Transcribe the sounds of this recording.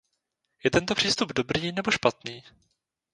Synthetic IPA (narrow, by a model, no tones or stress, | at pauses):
jɛt̪ɛnt̪o̞pr̝̥iːst̪ubdo̞bɾiːnɛbo̞ʃpat̪niː